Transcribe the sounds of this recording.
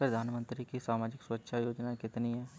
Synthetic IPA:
pɾɐd̪ʱaːnmə̃nt̪ɾikisaːmaːd͡ʒɪkswɐtːʃʰajoːd͡ʒnakɪt̪niɦɛː

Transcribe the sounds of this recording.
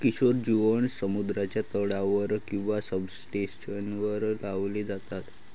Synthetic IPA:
kiɕoɾd͡ʑiʋəɳsəmud̪ɾat͡ɕjat̪əɽaʋəɾkĩw̃ʋasəbsʈẽɕənʋəɾlaʋled͡zat̪at̪

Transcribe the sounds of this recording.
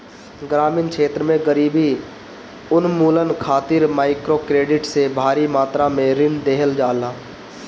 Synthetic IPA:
ɡɾaːmɪːnkʰeːt̪ɾəmẽɡəɾiːbi | ʊnmuːlənkʰaːt̪ɪɾmaːɪkɾokɾeːɖɪʈsebʱaːɾimaːt̪ɾamẽɾɪɳɖd̪eːɦəld͡ʒaːlaː

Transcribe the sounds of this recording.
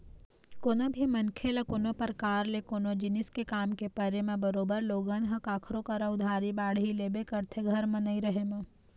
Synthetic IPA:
koːnobʱimɐnkʰelɐkoːnopəɾkaːɾlekonod͡ʒɪnɪskekaːmkepɐɾemẽbəɾoːbəɾloːɡənɦɐ̃kaːkʰɾokɐɾaʊd̪ʱaːɾibaːɽɦileːbekɐɾt̪ʰeɡʱɐɾmɐ̃nəiɾɐɦemɐ̃

